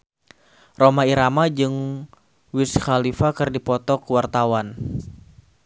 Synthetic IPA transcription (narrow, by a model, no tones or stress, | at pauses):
romaiɾamad͡ʒɨŋ | wisxalifakɨrdipɔt̪ɔkəwart̪awan